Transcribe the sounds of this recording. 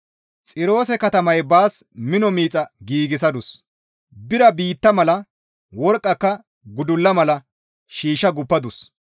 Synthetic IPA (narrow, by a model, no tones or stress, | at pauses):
t͡sʼɪɾo̞ːsɛkɐt̪ɐmɐjbaːsmɪnɔmiːt͡sʼɐɡiːɡɪs̬ɐd̪ʊs | bɪɾɐbiːt̪ːɐmɐlɐ | wɔɾkʼːɐkːɐ | ɡʊd̪ʊlːɐmɐlɐ | ʃiːʃːɐɡʊpːɐd̪ʊs